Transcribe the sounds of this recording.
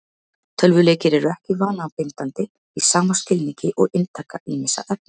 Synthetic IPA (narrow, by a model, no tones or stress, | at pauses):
t̪ʰœlvʏleːcɪɾɛɾʏɛhcɪvaːnapɪnt̪ant̪ɪ | isaːmascɪlniɲcɪʔɔɣɪnt̪ʰaːkaʔiːmɪsa̰ʔœp̚nɪ